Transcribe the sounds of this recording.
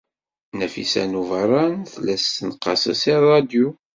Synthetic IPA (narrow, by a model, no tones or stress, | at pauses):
næfḭsæ̰nuvərˤːɑnθlæsːənqːɑ̰sə̰sirˤːɑd̪ju